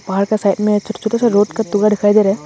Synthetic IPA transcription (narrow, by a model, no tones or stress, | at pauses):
baɦaɾkasaːɪʈmẽt͡ʃʰʊt͡ʃʰʊʈasaɾoːʈkat̪ʊɡaɖʱɪkʰaːid̪eːɾe